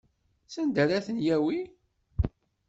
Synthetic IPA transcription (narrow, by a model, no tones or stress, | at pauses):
sənd̪əɾæθənjæwi